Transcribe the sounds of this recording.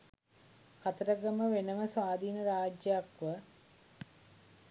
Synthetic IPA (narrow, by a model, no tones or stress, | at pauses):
kat̪əɾəɡəməʋenəməsʋaːd̪ʱiːnəɾaːd͡ʒjjakʋə